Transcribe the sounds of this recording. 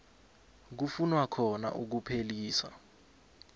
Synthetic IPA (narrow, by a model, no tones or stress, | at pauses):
k̬ufunwakʰɔna̰ʔuk̬upʰeliːsa̰